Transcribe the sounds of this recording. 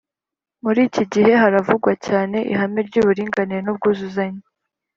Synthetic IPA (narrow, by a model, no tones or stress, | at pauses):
muɾiːciɟiɦe̞ɦaɾavuɡwacaːne̞ʔḭɦameɾɟuːβuɾiːŋɡaniɾenub̚ɡuːzuzaɲe